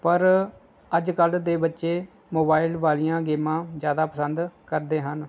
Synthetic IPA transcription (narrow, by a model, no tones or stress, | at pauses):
pəɾ | əd͡ʒkəld̪eːbətːʃeː | moːbaːɪlʋaːlijãːɡeːmãːzjaːd̪aːpəsənd̪kəɾd̪eːɦən